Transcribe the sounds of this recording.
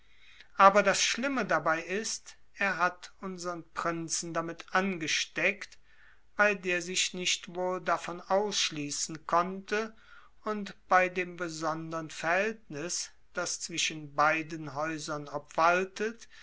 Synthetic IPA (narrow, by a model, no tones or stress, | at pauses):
ʔaːbɐdasʃlɪmədabaɪɪst | ʔeːɐɦatʊnzəʁənpʁ̥ɪnt͡sn̩damɪtʔanɡəʃtɛkt | b̥aɪdeːɐzɪʃnɪʃtv̥oːldafɔnʔaʊsʃliːsn̩kʰɔntə | ʊntb̥aɪdeːmbəzɔndəʁənfɛɐɐhɛltnɪs | d̥ast͡sv̥ɪʃənbaɪdənɦɔʏzɐnapv̥altət